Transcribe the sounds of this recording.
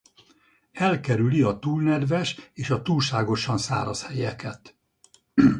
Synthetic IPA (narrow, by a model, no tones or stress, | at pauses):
ɛlkɛɾyliɒt̪uːlnɛd̪vɛʃeːʃɒt̪uːlʃaːɡo̞ʃɒnsa̰ːɾɒshɛjɛkɛt̪